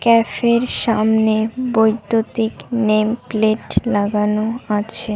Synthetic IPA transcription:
kɛfeɾʃamnebojd̪ːot̪iknempleʈlaɡanoat͡ɕʰe

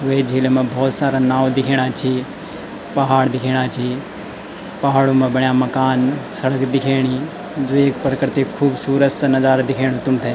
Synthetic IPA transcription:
ɦʊed͡ʒʱiːlmẽbʱɔːt̪saːɾanaːʋd̪ɪkʰeːɽ̃at͡ʃʰi | pɐɦaːɽd̪ɪkʰeːɽ̃at͡ʃʰi | pɐɦaːɽomẽbɐɳjaːmɐkaːnsɐɽəkd̪ɪkʰeːɽ̃i | d͡ʒoːeːkpəɾəkəɾt̪ikʰuːbsuːɾət̪snɐzaːɾd̪ɪkʰeːɽ̃ot̪ʊmt̪ʰeː

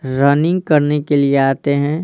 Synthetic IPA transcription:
ɾɐnɪ̃ŋɡ̚kɐɾnekelieaːt̪eɦɛ̃ː

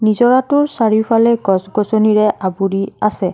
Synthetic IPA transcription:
nizɔɹatʊɹsaɹipʰalɛɡɔsɡɔsɔniɹɛabuɹiasɛ

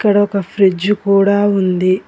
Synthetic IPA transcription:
kːɐɽɐɔkɐfɾid͡ʒːukuːɽaːund̪i

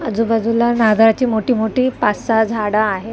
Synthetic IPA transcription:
əd͡zubad͡zulanad̪ʱɾat͡ɕiːmoʈiːmoʈiːpasad͡zʱaɽaːɦe

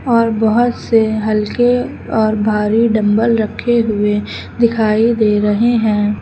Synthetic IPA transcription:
ɔːɾbɐɦʊt̪seɦɐlke | ɔːɾbʱaːɾiɖɐ̃mbəlɾɐkʰːeɦʊe | d̪ɪkʰaːid̪eːɾɐɦeɦɛ̃ː

